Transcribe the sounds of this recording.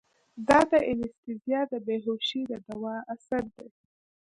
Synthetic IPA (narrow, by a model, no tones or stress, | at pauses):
d̪ɑd̪əʔɪlɪst̪ɪzijɑd̪əbeɦoʃid̪əd̪awɑasaɾd̪e